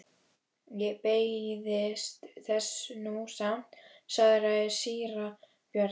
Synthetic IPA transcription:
jɛpeːjðɪst̪θɛsnusam̥t̪saðɾaðɪsiːɾa | pjœɾ

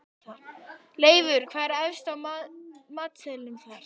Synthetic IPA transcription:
leːjvʏɾ̥kʰvaːɾɛvst̪a | maːt̪sɛlɪnθaɾ̥

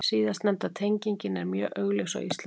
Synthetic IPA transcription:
siːðast̪nɛmt̪aðt̪ʰejɲciɲcɪnɛɾmjœːʔœɣlesa̰wist̪l

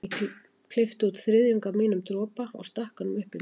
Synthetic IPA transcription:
kʰl̥ɪft̪ʏut̪θɾɪðjʏŋkamiːnʏmt̪ɾɔːpaɔ̰ɣst̪ahkanʏmʏhpɪ

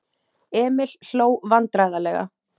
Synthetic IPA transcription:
ɛːmɪl̥ːoːwvant̪ɾajðalɛːɣa̰

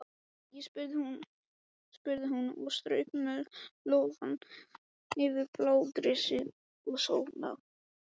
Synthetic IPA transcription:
jɛspʏɾðɪhun | spʏɾðɪɦunɔ̰st̪ɾœɥpmœɾloːwvan | ɪvɪɾplaːwt̪ɾɪsɪ | ɔɣsowna̰w

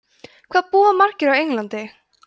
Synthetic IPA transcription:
kʰvaːðpuːamar̥cɪɾawejŋlant̪ɪ

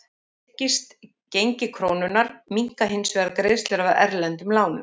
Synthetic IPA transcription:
cɪst̪ | cejɲcɪkʰɾoːwnʏnaɾmiŋ̥kaɦensvɛðaɾkɾeːðst̪lɛɾavaðɛɾlɛnt̪ʏmlaːwnʏm

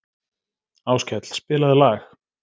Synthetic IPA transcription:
aːwscɛt̪l̥spɪːlaðɪlaːx

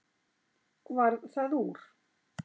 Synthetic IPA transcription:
kvaɾðθaðuɾ̥

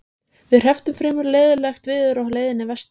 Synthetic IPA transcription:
vɪðr̥ɛft̪ʏmfɾɪːmʏɾleːjðʏlaxt̪vɪðʏɾɔhleːjðɪnɪvɛst̪

